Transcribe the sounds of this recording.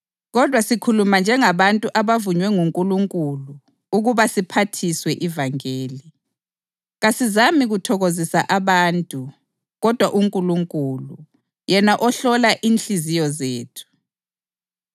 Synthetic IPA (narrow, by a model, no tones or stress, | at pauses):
ɣɔd̥ʱwasikʰulumand͡ʒʱɛŋaβantʼuʔaβavuɲwɛŋuŋkʼuluŋkʼulu | uɣuβasipʰatʰiswɛʔivaŋeːli | ɣasizamiɣutʰɔɣozisaʔaβantʼu | ɣɔd̥ʱwaʔuŋkʼuluŋkʼulu | jɛnaʔɔɬɔlaʔinɬizijɔzeːtʰu̥